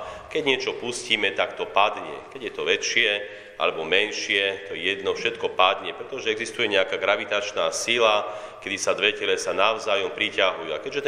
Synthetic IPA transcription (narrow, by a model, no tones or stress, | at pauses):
kɛɟɲɪɛt͡ʃɔpusciːmɛt̪akt̪ɔpad̪ɲɛ̰kɛɟjɛt̪ɔʋɛt͡ʃɪɛ | ʔa̰lɛbɔmɛnʃɪɛt̪ɔjɛd̪nɔfʃɛt̪kɔpad̪ɲɛpɾɛt̪ɔʒɛɛɡzist̪ujɛɲɛakaɡɾaʋit̪at͡ʃnaːsila | kɛd̪isad̪ʋɛcɛlɛsanaʊzaːjɔmpɾicaɦujua̰kɛɟʒɛt̪